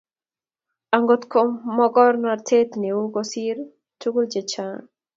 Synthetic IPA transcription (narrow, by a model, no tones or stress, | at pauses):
aŋɡot̪kʰɔmɔɡɔɾnaɾt̪ʰet̪neuɡɔsiɾ | tuɡuld͡ʒet͡ʃan